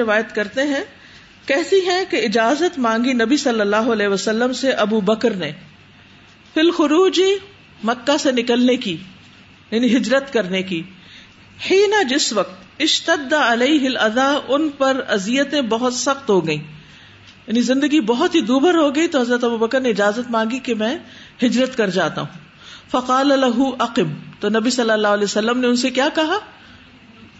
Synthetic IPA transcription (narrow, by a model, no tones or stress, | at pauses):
ɪʋaːjət̪kɐɾt̪eɦɛ̃ | kɛɦt̪iɦɛ̃keɪd͡ʒaːzət̪mãːŋɡinɐbisɐlːəlːaːɦoɐlɛːɦʋɐsɐlːəmseʔɐbuːbɐkɾne | fɪlxʊɾuːd͡ʒi | mɐkːasenɪkəlneki | jaːniɦɪd͡ʒɾət̪kɐɾneki | ħiːnɐd͡ʒɪsʋɐqt̪ɪʃt̪ɐd̪ːaɐleɪɦɪlɐd̪aːʔʊnpɐɾɐzijət̪ẽbɐɦʊt̪sɐxt̪ɦoɡɐĩː | jaːnizɪ̃nd̪əɡibɐɦʊt̪ɦid̪uːbəɾɦoɡɐit̪oɦɐzɾət̪ɐbubɐkəɾneɪd͡ʒaːzət̪mãːŋɡikemɛ̃ː | hɪd͡ʒɾət̪kɐɾd͡ʒaːt̪a̰ɦũ | fɐqaːlɐlɐɦuʔɐqɪmt̪onɐbisɐlːəlːaːɦʊɐleːsɐlːəmneʊnsekjaːkɐɦaː